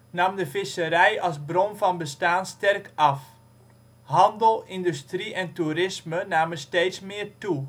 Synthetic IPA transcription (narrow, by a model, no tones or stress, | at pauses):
nɑmdəfɪsəɾɛjɑlˠsbrɔnvɑnbəstaːnstɛrkʰɑf | ɦɑndəlˠɪndystriʔɛntuɾɪsmənaːməsteːtsmɪːrtu